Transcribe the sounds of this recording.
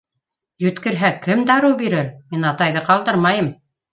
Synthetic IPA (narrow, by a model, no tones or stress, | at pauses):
jɵ̆t̪kɘ̆ɾɦækɘmd̪ɑɾɤwbiɾɘɾminɑt̪ɑjðɤqɑlˠd̪ɤɾmɑjɤm